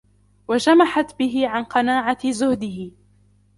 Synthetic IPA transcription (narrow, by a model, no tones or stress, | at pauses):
wad͡ʒamaħat̪bɪɦɪʕanqɑnaːʕazʊhd̪ɪhɪ